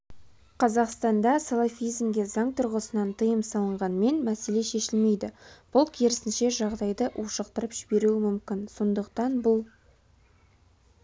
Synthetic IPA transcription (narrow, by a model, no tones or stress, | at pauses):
qʰɑzɑqst̪ɑnd̪ɑsɑlˠafijzmɡʲe̞zɑŋt̪ʰʊɾʁəsənɑnt̪ʰəjəmsɑlˠəɴʁɑnme̞nmæse̞le̞ʃe̞ʃɪlme̞jd̪ɪb̥ʊlˠkʲʰeɾɪsɪnʃe̞ʒɑʁd̪ɑjd̪əʔwʔoʃəqt̪əɾəpʒ̥ɪbe̞ɾuɪmʏmkʲɪnso̞nd̪əqt̪ɑnbʊlˠ